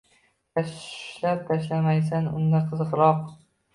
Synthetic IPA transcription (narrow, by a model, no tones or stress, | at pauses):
t̪ʰaʃlap̚t̪ʰaʃlamajs̬anʊ̰nd̪aɾq̪ʰɨzqɾɒq